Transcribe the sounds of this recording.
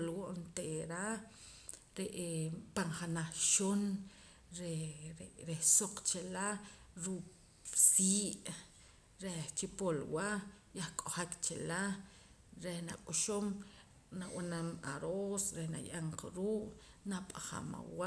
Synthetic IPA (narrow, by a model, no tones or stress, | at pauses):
lwoʔnt̪eʔɾa | ɾeʔpaɴχanaχʃon | ɾeɾeɾehsoq͡χt͡ʃelaɾu | siːʔ | ɾet͡ʃipolwaʔjahkʼoχakt͡ʃela | ɾehnakʼuʃom | nawanama̰ɾosɾehna̰jʔaɴqaɾuːʔnapʼaχa̰ma̰wa